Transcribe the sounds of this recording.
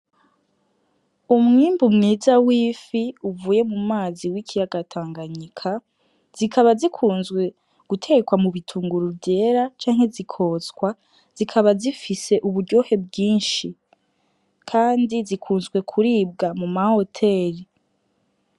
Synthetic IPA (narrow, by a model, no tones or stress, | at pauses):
umŋiːmbumŋiːzawiːfiuvuːje̞mumaːziwikijaɡatʰaːŋɡaɲikʰa | z̥ikʰaβazikʰuːnzɡwe̞ | ɡ̥utʰe̞ɡekwamuβitʰuːŋɡuɾuvɟe̞ːɾat͡ʃaːŋhe̞zikʰo̞ːzɡwa | z̥ikʰaβazifise̞ʔuβuɾɟo̞ːhe̞b̚ɡiːnʃi | kʰaːndizikʰuːnzɡwe̞kʰuɾiːb̚ɡamumaho̞tʰe̞ːɾi